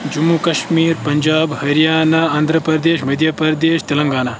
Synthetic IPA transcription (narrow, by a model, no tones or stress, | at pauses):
d͡ʒumːukɐʃmiːɾpɐɲd͡ʒaːbhɐɾijaːnaɐːnd̪ʱɾəpɾɐd̪eːʃmɐd̪ʱjɐpɾd̪eːʃt̪ɐlɐŋɡaːnaː